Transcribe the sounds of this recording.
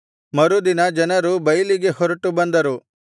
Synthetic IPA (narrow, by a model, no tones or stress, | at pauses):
mɐɾud̪inɐd͡ʒɐnɐɾubɐjliɡe̞hɔɾɐʈubɐnd̪ɐɾu